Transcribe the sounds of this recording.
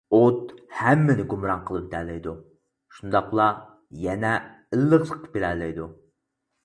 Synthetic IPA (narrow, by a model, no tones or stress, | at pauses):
ot̪hæmːɪnɪɡumɾɑŋqʰəlˠɨp̚d̪ælːɪjd̪u | ʃund̪ɑqlˠɑ | jɛnɛ | ɨlˠːəʁt̪ʰəqːbeɾɛlɪjd̪u